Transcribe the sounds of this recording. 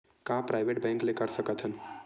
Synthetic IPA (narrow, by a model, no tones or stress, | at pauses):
kãpɾajʋeʈ̚bɛ̃ŋklekəɾsəkət̪ɦən